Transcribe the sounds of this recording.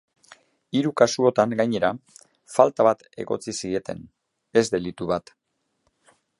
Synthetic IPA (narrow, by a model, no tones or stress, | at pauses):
iɾukasuo̞t̪aŋɡajɲe̞ɾa | falt̪aβat̪e̞̰ɣo̞̰t͡sisie̞t̪e̞̰n | e̞zd̪e̞lit̪uβat̪